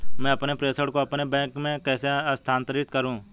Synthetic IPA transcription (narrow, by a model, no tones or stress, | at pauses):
mɛ̃ːəpnepɾeːsəɽkoɐpnebɛ̃ːkmẽkɛːseəst̪ʰaːnt̪əɾɪt̪kəɾũː